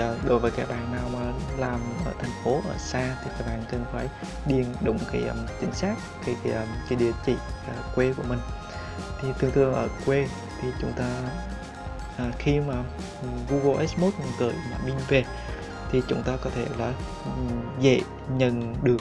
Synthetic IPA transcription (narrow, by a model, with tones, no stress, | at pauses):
ɗo̰˧˩˦jvəː˨˦jkaː˧˥k̚ɓa̰ː˧˨nnaː˨˩wmaː˨˩laː˨˩mʔə̰ː˧˩t̪ʰɛ˨˩jŋ̟fo˨˦ʔə̰ː˧˩saː˧t̪ʰi˨˩kaː˧˥k̚ɓaː˧˨nkɨ˨˩ŋfaː˧˩˦j | ɗi˧˩ənɗʊ̰˧˨wŋ͡mkaː˨˦jʔə˧˩mt͡ɕï˨˦ŋ̟saː˦˥k̚kaː˨˦jkaː˨˦jɗi˨˧˨ət͡ɕḭ˧˨˧kwe˧ku˧˩əmï˨˩ŋ̟ | t̪ʰi˨˩t̪ɨ˧əŋt̪ʰɨ˧əŋʔəː˧˩kwe˧ | t̪ʰi˨˩t͡ɕʊ̰˨˦ŋ͡mt̪aː˧ | ʔəː˨˩xi˧maː˨˩˨ | vu˧ɣo˧ʔɛ˦˥smo˦˥t̚ɲu˧nt̪ɨ̰˧˩˨jmaː˨˩ɓi˧nve˨˩ | t̪ʰi˨˩t͡ɕʊ̰˨˦ŋ͡mt̪aː˧kɔ˨˦t̪ʰe˧˩laː˨˩ | zə̰˧˨ | ɲə˨˩˨nɗɨ˨˩ək